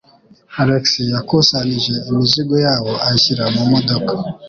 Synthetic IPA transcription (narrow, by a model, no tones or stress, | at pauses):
aɾeksijakusaniʒe̞imiziɡojaːwo̞aiçiɾamumodokḁ